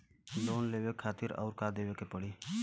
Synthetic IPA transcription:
loːnleːwekʰaːt̪ɪɾɔ̰ːɾkad̪eːʋekepəɽi

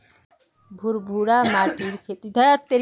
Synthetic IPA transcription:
bʱuɾbʱuɾamaʈiɾkʰet̪id̪ʱajat̪ːeɾ

